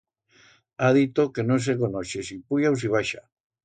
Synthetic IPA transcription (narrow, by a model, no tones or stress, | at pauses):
að̞it̪okenos̬ekonoʃesipuʎaws̬iβ̞aʃa̰